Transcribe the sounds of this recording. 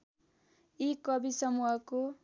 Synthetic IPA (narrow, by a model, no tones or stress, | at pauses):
ikʌbisʌmuɦʌko